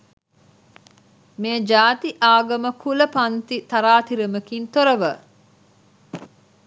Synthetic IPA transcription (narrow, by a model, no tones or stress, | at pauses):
meːd͡ʒaːt̪iʔaːɡɐməkʰuləpɐnt̪it̪aɾaːt̪iɾɐməkint̪oɾɐʋə